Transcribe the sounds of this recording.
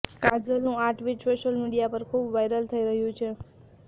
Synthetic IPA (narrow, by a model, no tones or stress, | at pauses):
kãd͡ʒəlnũaʈʋid͡ʒsoʃəlmiɽijapəɾkʰubʋajɾəlt̪ʰəiɾəɦjũt͡ʃʰe